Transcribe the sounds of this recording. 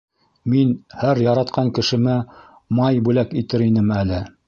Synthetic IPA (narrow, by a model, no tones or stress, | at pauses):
minhæɾjɑɾɑt̪qʰɑŋkɘ̆ʃɘ̆mæ | mɑjbʉlækit̪ɘɾinɘmælɘ